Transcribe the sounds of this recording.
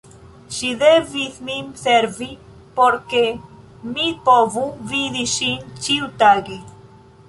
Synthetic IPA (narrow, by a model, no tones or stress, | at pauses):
ʃid̪evismimseɾvi | poɾke | mipovuvid̪iʃint͡ʃiut̪aɡe